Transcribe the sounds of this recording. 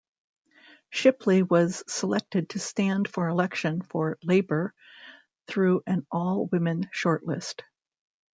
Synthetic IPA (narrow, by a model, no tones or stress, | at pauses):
ʃɪpʰliwʌz̥səlɛk̚tɨd̚tʰɨstæ̃nd̥fə˞ɨlɛkʃɨ̃nfə˞leɪbə˞ | θɹʉʔɨ̃nʔɔlˠwɪ̃mɨ̃nʃɔɹʔˡlɪ̰st